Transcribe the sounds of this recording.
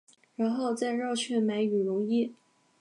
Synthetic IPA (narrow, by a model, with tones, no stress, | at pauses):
ɻa˧˥nxo˥˧ʊt͡sa˥˧ɪɻɑ˥˧ʊt͡ɕʰɥɛ˥˩nma˧˥ɪy˨˩ɻʊ˧˥ŋi˥˩